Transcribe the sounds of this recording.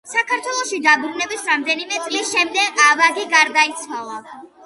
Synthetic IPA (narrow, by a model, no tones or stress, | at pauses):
sakʰaɾt̪ʰwɛlˠɔʃid̪abɾunɛbisɾamd̪ɛnimɛt̪sʼlisʃɛmd̪ɛɡavaɡiɡaɾd̪ait̪sʰwalˠa